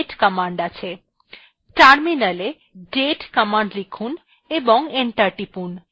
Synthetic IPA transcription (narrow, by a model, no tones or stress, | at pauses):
ʈkəmaɳɖat͡ɕʰe | ʈaɾminale | ɖeʈkəmaɳɖlikʰun | eboŋeɳʈaɾʈipun